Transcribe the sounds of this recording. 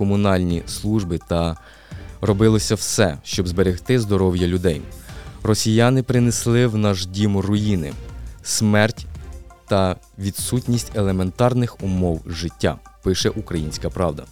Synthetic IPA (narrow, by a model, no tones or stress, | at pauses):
kɔmʊnɑlʲnʲislˠuʒbɪt̪ɐ | rɔbɪlˠɔsʲɐwsɛ̰ʃt͡ʃɔbzbeɾʲɪht̪ɪzd̪ɔɾɔwjɐlʲʊd̪ɛjrɔsʲijɑnɪpɾɪneslˠɪwnɐʒdʲimʊrʊjinɪ̰smɛrtʲt̪ɐ | ʋʲid̪sutʲnʲisʲtʲelˠement̪ɑrnɪxʊmɔwʒɪtʲːa̰pɪʃɛʔukɾɐjinʲsʲkɐpɾɑwd̪ɐ̰